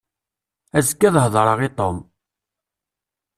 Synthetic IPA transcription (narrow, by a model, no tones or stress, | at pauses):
æzkːæðhðˤɾˤəʁit̪ˤom